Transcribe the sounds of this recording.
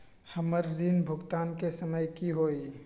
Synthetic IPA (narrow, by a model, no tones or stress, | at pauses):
həməɾd̪inbʱʊɡt̪aːnkesəməjkiɦoːi